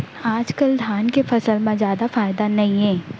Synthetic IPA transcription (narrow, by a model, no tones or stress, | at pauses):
aːd͡ʒkəld̪ʱaːnkefɐsəlmãzjaːd̪afaːɪd̪anɐɦĩɦɛ̃ː